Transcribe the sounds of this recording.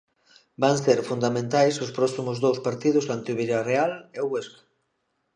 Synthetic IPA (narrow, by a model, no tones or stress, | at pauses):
baŋseɾfund̪amẽnt̪ajsʊspɾɔsimʊzðowspaɾt̪iðʊzðant̪iuβiɾarealeoɣweskḁ